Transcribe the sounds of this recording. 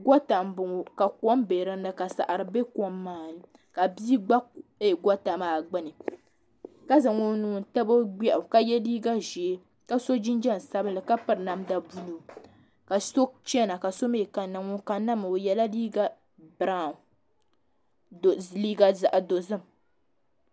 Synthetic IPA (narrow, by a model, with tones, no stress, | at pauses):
ɡɔ˦ta˨m˦bʊ˨ŋo˨ka˨kɔ˦mbe˨ɾɨ˦n˦lɨ˦ka˨sa̰˨ʔa˨ɾɨ˨be˦kɔ˦mːaː˦˨nɨ˨ | ka˨bi˦ɡ͡ba˦e˦˨ɡʷɔ˦ta˨maː˨ɡ͡bɨ˦nɨ˨ | ka˦zɨ˨ŋo˦nuː˨n˨ta˦bo˦ɡ͡bɛ˦ʔʊ˨ka˦jɛ˦liː˦ɡa˦ʒi˨e˦ | ka˦so˦d͡ʒi˦nd͡ʒɛ˦n˨sa˦bɨ˦n˦lɨ˨ka˦pɨ˦ɾɨ˨na˦mda˨bu˦lu˨ | ka˨so˦t͡ʃɛ˦na˨ka˨so˦me˦˨ka˨na˨ŋo˦ka˨na˦mɨ˨o˨jɛ˨la˦liː˦ɡa˦ | bɨ˨ɾa˦˨ | liː˦ɡa˦za˨ʔa˨do˨zɨ˦m